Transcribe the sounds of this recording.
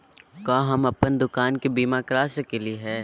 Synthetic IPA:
kãːɦɐmɐpənd̪ʊkaːnkebiːmakɾaːʃkelieɦɛː

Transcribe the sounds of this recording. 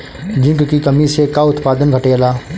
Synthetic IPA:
d͡ʒɪ̃ŋkkikɐmisekaʊt̪paːd̪ənɡʱɐʈeːlaː

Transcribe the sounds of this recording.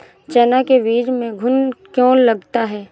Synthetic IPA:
t͡ʃɛːnakeʋiːd͡ʒmẽɡʱʊnkjõːnlɐɡt̪aɦɛː

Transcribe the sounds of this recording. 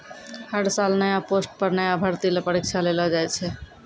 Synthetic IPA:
həɽsalnəjaposʈ̚pəɾnəjabʱəɾt̪ilepəɾik̚t͡ʃʰalelɔd͡ʒajt͡ʃʰɛ

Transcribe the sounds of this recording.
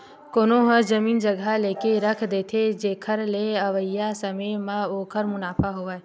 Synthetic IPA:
koːnoɦə̃d͡ʒɐmiːnd͡ʒəɡaleːkeɾɐkʰd̪eːt̪ʰed͡ʒeːkʰəɾleɐʋəjasɐməmãoːkəɾmʊnaːpʰaɦoa

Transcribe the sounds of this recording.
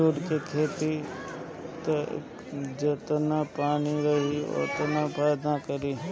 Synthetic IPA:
uːɖkekʰeːt̪i | t̪ɐ | d͡ʒət̪nãpaːniɾɐɦiɔ̰ːt̪ənãpʰaːjd̪ãkəɾiː

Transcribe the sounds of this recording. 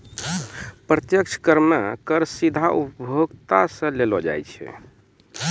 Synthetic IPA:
pɾət̪jəkt͡ʃʰkəɾmekəɾsid̪ʱaʔupbʱjoɡt̪asə̃lelɔd͡ʒa̰jt͡ʃʰɛ̰

